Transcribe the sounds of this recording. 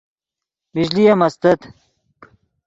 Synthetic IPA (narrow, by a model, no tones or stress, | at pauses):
bid͡ʑlijɐmɐst̪ɐt̪